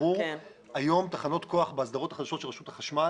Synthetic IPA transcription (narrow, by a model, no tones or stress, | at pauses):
u | ajo̞mt̪aχano̞t̪ko̞aχbeazd̪aʁot̪ḁχad̪aʃo̞t̪ʃelʁaʃut̪aχaʃma